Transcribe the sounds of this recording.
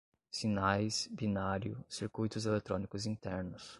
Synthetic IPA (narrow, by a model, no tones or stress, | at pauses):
sinajsbinaɾjʊsiɾkujt̪ʊzelet̪ɾõnikʊzĩnt̪ɛɾnʊs